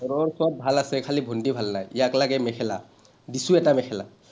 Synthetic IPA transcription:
ɔɹɔɹsɔb̚bʱalasɛkʰalibʱondibʱalnajijaklaɡɛmɛkʰɛla̰ | disuɛtamɛxʰɛla̰

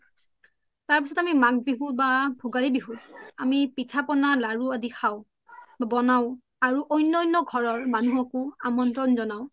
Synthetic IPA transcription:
taɹpisɔtamimak̚biɦũbabʱuɡaɹibiɦũamipitʰapɔnalaɹuadixʰaʊ̃ | babɔnaʊ̃ | aɹuʔɔjnːɔjnːɔɡʱɔɹɔɹmanuɦɔkʊamɔntɹɔnzɔnaʊ

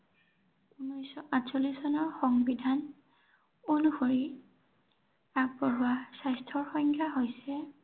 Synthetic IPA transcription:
unɔjsɔʔatsolisɔnɔɹxɔŋbidʱan | onuxoɹi | ak̚bɔɹʊwasajstʰɔɹxɔŋkʰjaɦojsɛ

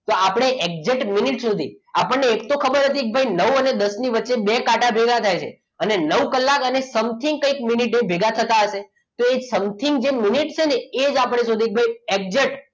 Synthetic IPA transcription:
t̪oapɽ̃eʔek̚d͡ʒeʈminiʈsud̪ʱiapəɳneːkt̪okʰəbəɾɦət̪iek̚bʱainəʋəned̪əsniʋətːʃebekaʈabʱeɡat̪ʰajt͡ʃʰḛ | ənenəʋkəlːakənesəmt̪ʰiŋɡkə̃ĩk̚miniʈnebʱeɡat̪ʰət̪aɦəʃe | t̪oesəmt̪ʰiŋɡd͡ʒeminiʈt͡ʃʰeneːd͡ʒapɽ̃esud̪ʱiek̚bʱaiek̚d͡ʒeʈ

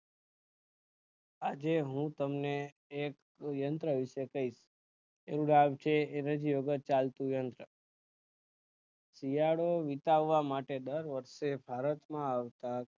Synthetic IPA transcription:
ad͡ʒeɦũt̪əmneː | k | jənt̪ɾəʋiʃekəiʃ | eɾũɖabt͡ʃʰeeɾəd͡ʒijoɡət̪̚t͡ʃalt̪ũjənt̪ɾə | sijaɽoʋit̪aʋːamaʈed̪əɾʋəɾʃebʱaɾət̪mãaʋt̪ak̚

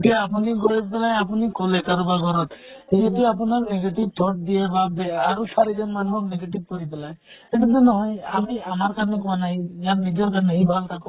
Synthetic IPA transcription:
ʈiaapuniɡɔɾip̪elajap̬unikɔlekaɾubaɡɔɾɔt̪id͡ʒet̪ujapunaɾneɡeʈib̚t̪ʰɔʈ̚d̪ijebabeaɾɔsaɾid͡ʒɔnmanuɦɔkneɡeʈib̚kɔɾip̪elaj | eʈɔt̪enɔɦɔjamiamaɾkaɾnekɔanaɦĩjaɾnid͡ʒɔɾkaɾneɦibʱalt̪ʰakɔ

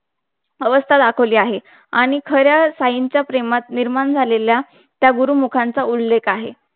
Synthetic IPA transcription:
əʋəst̪ʰad̪akʰəʋliːaɦe | aɽ̃ikʰəɾjasajiɲt͡ɕjapɾemat̪niɾmaɳd͡zʱalelja | t̪jaɡuɾuːmukʰant͡saulːekʰaɦe

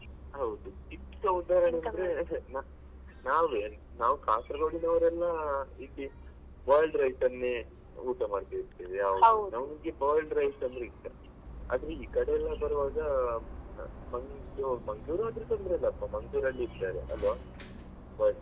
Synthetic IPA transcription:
ɦɐwd̪ut͡ʃikːɐud̪aːɾɐɳɐɐnd̪ɐɾena | naːʋe | naːʋukʰaːt̪ɾɐɡoːɽinɐʋɐɾɛlːɐilːi | ʋaːjɭɖɾɐjsɐnːe | uːʈɐmaːɽt̪iiɾt̪iːʋiaːʋwnɐʋnɡebaːlɖɾɐjsɐnd̪ɾeit̪ːɐ | a̰ːd̪ɾeiːkɐɽeɛlːɐbɐɾɐʋaːɡɐ | mɐŋumɐŋɡɭuːɾaːd̪ɾet̪onb̪ɾɛlːɐːpːɐmɐŋɡɭuːɾɐlːiːɾt̪aːɾeʔɐ̰lʋaː | baːj

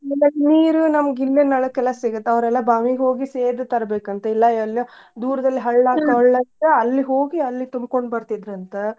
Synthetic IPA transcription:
ɛlːɐniːɾunɐmɐɡilːenːɐɭɐkːɛlːɐsiɡɐt̪ːeɐʋɾɛlːɐbaːmiɡɦo̞ːɡiseːd̪ut̪ɐɾɐbeːkɐnt̪ɐilːɐɛlːo | d̪uːɾɐd̪ɐlːiɦɐɭːaːkɐɐɭːɐt̪ɐɐlːiɦo̞ːɡiɐlːit̪umbkoɳɖbɐɾt̪id̪ɾɐnt̪ɐ

